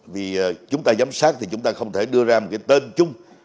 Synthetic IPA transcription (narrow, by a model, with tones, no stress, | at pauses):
vi˨˩˨t͡ɕʊ˨˦ŋ͡mt̪aː˧zaː˨˦msaː˦˥k̚t̪ʰi˨˩t͡ɕʊ˨˦ŋ͡mt̪aː˧xə˧wŋ͡mt̪ʰe˧˩ɗɨ˧əzaː˧mo˨˩t̚kaː˨˦jt̪e˧nt͡ɕʊ˧ŋ͡m